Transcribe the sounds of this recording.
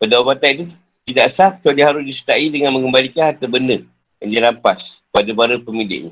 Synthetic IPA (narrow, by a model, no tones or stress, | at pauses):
bədawabat̪ait̪u | t̪idaʔsap̚t͡ʃadihaɾʊsdisə̥t̪aidəŋanmə̃ŋɡəmbalikanhat̪əbəndə | a̰nd͡ʒaɾampas | padabaɾəpəmilɪ̰ʔɲə